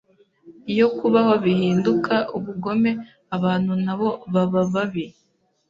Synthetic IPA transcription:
jo̞kuβaho̞βihiːndukʰaʔuβuɡo̞me̞ | aβaːn̥hunaβo̞βaβaβaβi

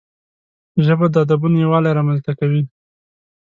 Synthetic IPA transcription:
ʒəbad̪əad̪abunjawɑlajɾɑmanzt̪akawi

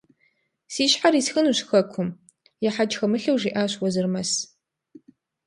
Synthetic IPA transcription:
siːʃħaɾisxɨnuɕxɐkʷʰʊm | jɛħad͡ʒxɐmɨɬɐwʐiːʔaːɕwɔzɨrmɐs

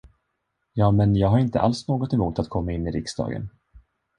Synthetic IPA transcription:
jɑːmɛnjɑːɡɦaɾɪnt̪ə̰ʔa̰lsnoːɡɔt̪ɛmuːt̪at̪kʰɔmːaɪnːɪɾɪksd̪ɑ̰ːɡə̰n

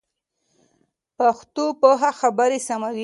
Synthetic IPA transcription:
paxt̪opoɦaxabaɾesamawi

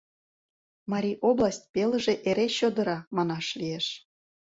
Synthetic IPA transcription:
mɑɾʲiʔoblˠɑsʲt̚ʲpelə̆ʒĕʔeɾeɕod̪ɤ̆ɾɑmɑnɑʃlʲijeʃ

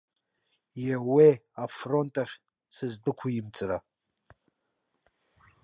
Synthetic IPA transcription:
jeweafrontʼɐχʲ | sɨzdɨkʷʰujɪmt͡sʼɨɾa

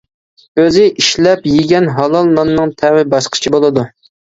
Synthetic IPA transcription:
øzɪʔiʃlɛpjɪɡʲɛnɦɑlˠɑlˠːɑnːɨŋt̪ʰɛwɪbɑʃqʰə̥t͡ʃʰibolˠɨd̪u

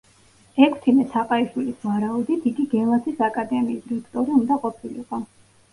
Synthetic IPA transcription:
ɛkʰst̪ʰimɛsʰaqʼaiʃwilisvaɾaud̪it̪ʰiɡiɡɛlˠat̪ʰisakʼad̪ɛmiːsɾɛkʰt̪ʼɔɾiund̪aqʼɔpʰilḭqʼɔ

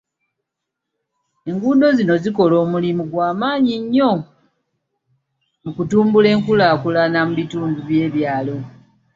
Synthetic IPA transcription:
e̞ŋɡuːdo̞zino̞ziko̞lo̞ːmulimuɡwaːmaːɲiɲːo̞ | mukutuːmbule̞ːŋkulaːkulanamuβituːmduβje̞ːβjaːlo̞

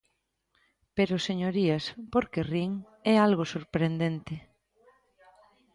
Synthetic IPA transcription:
peɾoseɲoɾiaspoɾkeriŋ | ɛalɣosoɾpɾend̪ent̪ɪ

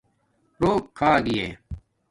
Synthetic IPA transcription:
ɾoːkkʰːaːɡɪjeː

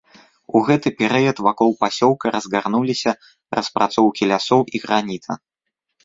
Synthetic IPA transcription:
uɣɛt̪ɨpʲɛɾɨjɐt̪vakɔlˠpasʲɔw̪ˠkɐɾɐzɣarnulʲisʲɐ | rʔɐspɾat̪sɔwkʲilʲasɔwiɣɾanʲit̪ɐ̰

